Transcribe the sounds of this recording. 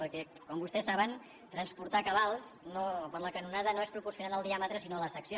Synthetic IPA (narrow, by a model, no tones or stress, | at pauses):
pəɾkɛ | kɔmbust̪ɛsːaβən | t̪ɾənspuɾt̪akəβalˠsnopəɾləkənunaðənoespɾupursiunaləlˠd̪iamət̪ɾəsinoləsəksjo